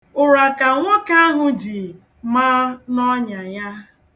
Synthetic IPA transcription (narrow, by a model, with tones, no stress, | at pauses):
ʊ˨ɾa˨ka˨ŋʷɔ˦ka˦a˦ɦʊ˨d͡ʒi˨ | maː˦nɔ˦ɲa˨ja˦